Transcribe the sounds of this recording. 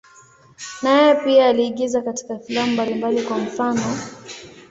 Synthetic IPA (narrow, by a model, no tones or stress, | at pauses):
najɛpiaːliːɠizakati̥kafilamumbalimbalikwam̩fanɔ